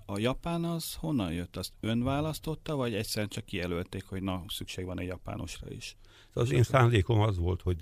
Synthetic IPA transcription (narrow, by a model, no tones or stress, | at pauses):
ɒjɒpaːnɒz̥ho̞nːɒnjøt̪ːɒst̪ø̞nvaːlɒst̪o̞t̪ːɒvɒɟɛcsɛɾɛnt͡ʃɒkːijɛlølt̪eːkho̞ɟnɒsykʃeːɡʋɒnɛɟjɒpa̰ːnʔo̞̰ʃrɒ̰ḭʃ | d̪̥ɛɒseːnsaːnd̪eːko̞mɒzʋo̞lt̪ho̞ɟ